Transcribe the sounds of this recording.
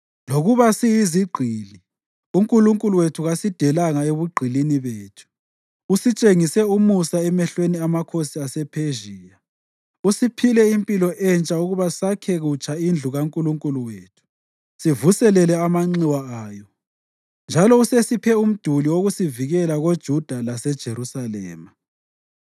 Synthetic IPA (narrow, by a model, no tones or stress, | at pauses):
loɣuβasijiziɡ͡ǃʱiːli | uŋkʼuluŋkʼuluwetʰuɣasid̥ʱɛlaŋaeβuɡ͡ǃʱiliniβeːtʰu̥ | usit͡ʃʼeŋisɛumusaɛmɛɬweniamakʰosiasɛpʰeʒiːja | usipʰilɛimpʼilɔʔɛnt͡ʃʼauɣuβasakʰɛɣut͡ʃʰʼaind͡ɮʱuɣaŋkʼuluŋkʼuluweːtʰu̥ | sivusɛlɛlɛamaŋ͡ǀiwaaːjɔ | nd͡ʒʱalɔusesipʰɛum̩d̥ʱuliwoɣusiviɣɛlaɣod̥ʒ̥ʱud̥ʱalasɛd̥ʒ̥ʱeɾusalɛ̰ːma